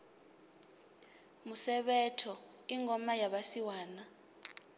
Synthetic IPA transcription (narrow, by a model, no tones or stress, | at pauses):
musɛɓɛtʰɔ | iŋʱɔmajaɓasiwaːna